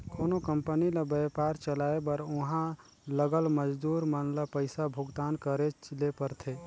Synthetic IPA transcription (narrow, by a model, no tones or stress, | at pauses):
koːnokəmpənilabəpaːɾt͡ʃəlaːebəɾʊɦã | ləɡəlməd͡ʒd̪uːɾmənlapəɪsabʱʊɡt̪aːnkəɾet͡ʃlepəɾt̪ʰeː